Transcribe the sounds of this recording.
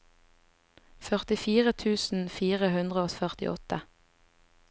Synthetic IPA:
fœʁt̪ɪfiːʁət̪ʰʉːsn̩fiːʁəhʉnd̪ʁəoːfœʁt̪ɪ̰ʔɔt̪ə

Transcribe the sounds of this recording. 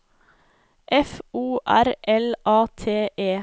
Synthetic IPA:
ʔɛfuːʔæɾʔɛlʔɑːt̪ʰeːʔeː

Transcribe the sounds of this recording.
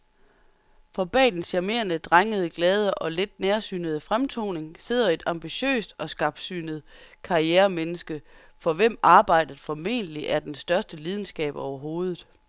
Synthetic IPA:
fɒ̽b̥ɛ̰ːdn̩sæɐme̝̰ːɐnəd̥ʁaŋəð̞ˠəɡ̥lɛːð̞ˠəʔɒ̽led̥neɐsyːnəðˠəfʁamt͡sʰo̝̰ːne̝ŋse̝ð̞̰ˠɐe̝d̥ɑ̈mb̥iɕø̰ːsd̥ɒ̽sɡ̥ɑ̈b̥sy̰ːnð̞̩ˠkʰɑ̈ieːɐmenəsɡ̥ə | fɒ̽ʋem̰ɑ̈ːb̥ɑ̈ɪ̰d̥əð̩ˠfɒ̽me̝̰ːnd̥əliʔæɐd̥ensd̥ɶɐsd̥əliːð̞ˠn̩sɡ̥ɛ̰ːb̥ɒʊɐɦo̝ːð̞̩ˠ

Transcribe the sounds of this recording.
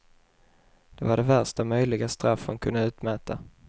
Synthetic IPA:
d̪̥ɛvaɖɛvæɾʂʈ̪amœjlɪɡast̪ɾafːənkʰɵnaʉ̟ːt̪mɛːt̪a

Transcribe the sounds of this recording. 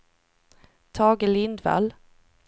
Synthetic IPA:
t̪ʰɑːɡəlɪnd̪va̰l

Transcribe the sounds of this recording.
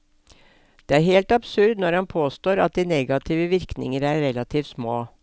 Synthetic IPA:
d̪̥eːæːɾheːlt̪ɑbsʉɾd̪nɔɾhɑnpʰoːst̪oːɾɑ̰t̪̚d̪iːnɛɡɑt̪ʰiːʋəʋɪɾknɪ̰ŋəɾæɾɾɛlɑt̪ʰiːft̪smoː

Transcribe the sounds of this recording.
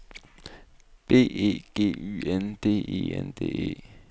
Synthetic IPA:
b̥e̝̰ːe̝̰ːɡ̥e̝̰ːy̰ːend̥e̝̰ːe̝̰ːend̥e̝̰ːe̝̰ː

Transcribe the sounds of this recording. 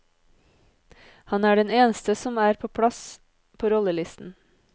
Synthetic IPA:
hɑnæːɖɛneːnəst̪əsɔmæːɾpʰoːpʰɽɑs | pʰoːɾɔləlɪst̪n̩

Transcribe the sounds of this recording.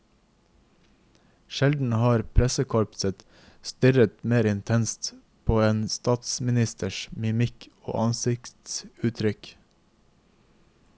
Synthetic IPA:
ʃɛld̪n̩hɑːɾpʰɾɛsəkʰɔlpsət̪ | st̪ʏɾət̪meːɾɪnt̪ʰɛnst̪ | pʰoːeːnst̪ɑːt̪smɪnɪst̪əʃmɪmɪkʰo̰ːʔɑnsɪkt̪sʉːt̪ʰɾʏk

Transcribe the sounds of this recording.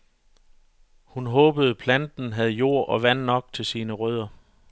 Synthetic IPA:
hunɦɔ̽ːb̥əð̞̩ˠpʰlænd̥n̩ɦæð̞ˠjo̝̰ɐ̰ʔɒ̽ʋæn̰ːɒ̽ɡ̥̚t͡sʰe̝lsiːnəʁœð̞̰ˠɐ

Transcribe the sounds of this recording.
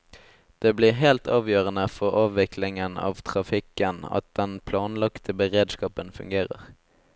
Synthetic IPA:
d̪̥eːbliːʁɦɛːlt̪ʰɑːʋjøːʁənəfɔʁɑːʋʋɪkʰlɪŋənɑ̰ːʋt̪ʰʁɑfɪkənɑ̰t̪̚d̪̥ɛnpʰlɑːnlɑkt̪ʰəbəʁeːd̪skɑːpənfʉ̰ŋɡeːʁə̰ʁ

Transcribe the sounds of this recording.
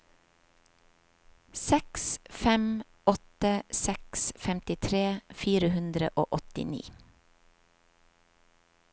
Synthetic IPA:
sɛksfɛm | ɔt̪əsɛksfɛmt̪ɪt̪ʰɾeːfiːɾəhʉnd̪ɾə̰ʔo̰ːʔɔt̪ɪ̰nḭː

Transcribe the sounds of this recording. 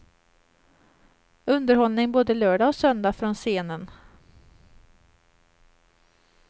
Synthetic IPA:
ɵnd̪əɾhɔlnɪŋboːd̪əlœːɖaɔsœnd̪afɾɔnseːnən

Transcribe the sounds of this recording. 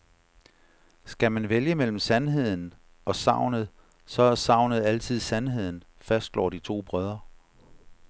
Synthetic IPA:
sɡ̥æmænʋeljəmel̰m̩sænɦe̝ð̞̰ˠn̩ | ɒ̽sɑ̈ʊ̰nəð̩ˠ | sɒ̽æsɑ̈ʊ̰nəð̩ˠæl̰t͡sʰið̞̰ˠsænɦe̝ð̞̰ˠn̩ | fæsd̥lɒ̰ːd̥it͡sʰo̝̰ːb̥ʁœð̞ˠɐ

